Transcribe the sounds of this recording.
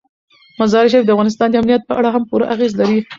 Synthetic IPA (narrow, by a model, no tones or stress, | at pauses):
mazɑɾɪʃ̬ajfd̪əafɣɑnɪs̬t̪ɑnd̪əamnijat̪̚pəʔaɽaɦampuɾa̰ʔaɣezlaɾi